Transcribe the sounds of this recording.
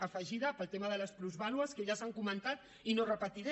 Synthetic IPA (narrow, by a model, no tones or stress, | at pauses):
əfəʒiðəpəlˠt̪eməðələspɾuzβalwəskeʎəsaŋkumənt̪at̪ | inorəpət̪iɾɛ